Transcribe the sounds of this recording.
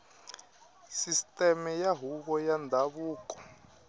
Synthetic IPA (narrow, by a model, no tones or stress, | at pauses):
sistʼɛmɛjaɦuk̬ɔjandʱaβuːkɔ̥